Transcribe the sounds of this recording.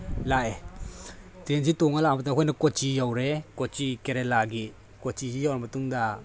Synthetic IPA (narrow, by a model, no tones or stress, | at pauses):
lae | tɾensitoŋalamat̬aŋɦɔjnakɔt͡ʃijawɾekɔt͡ʃikeɾelaɡi | kɔt͡ʃizijawɾamɐtuŋda